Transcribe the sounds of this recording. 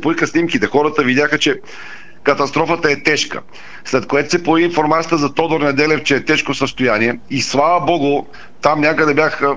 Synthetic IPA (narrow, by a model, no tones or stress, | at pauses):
poikəsnimkit̪ɛxɔɾət̪əvid̪ʲjaxət͡ʃɛ | kɐt̪ɐst̪ɾɔfət̪əɛt̪ɛʃkə̰ | slɛt̪kojɛt̪o̥sɛpojɐviːnfoɾmat̪sijət̪əzɐt̪ɔd̪oɾnɛd̪ɛlɛft͡ʃɛːt̪ɛʃkosəst̪ojaniɛislˠavəbɔɡʊ | t̪amnʲakəd̪ɛbjax